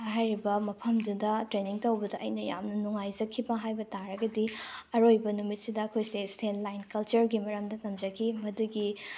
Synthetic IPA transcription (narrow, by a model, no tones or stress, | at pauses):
ɦajɾibɐmɐpʰɐmdudɐtɾeniŋtɐwbɐdɐʔɐjnɐja̰mnɐnuŋajd͡ʒɐkʰːibɐɦajbɐtaɾɐɡɐdiɐɾojbɐnumit̚sidɐːkʰojsestʰenlajnkɐlt͡ʃɐɾɡimɐɾɐmdɐtɐmd͡ʒɐkʰimɐduɡi